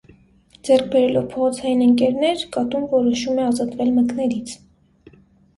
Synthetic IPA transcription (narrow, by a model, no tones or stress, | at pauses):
d͡zɛrk̚ʰbɛɾɛlɔvpʰɔʁɔt͡sʰɑjinəŋkɛɾnɛɾkɑt̪umvɔɾɔʃumɛɑzɑt̪vɛlməknɛɾit͡sʰ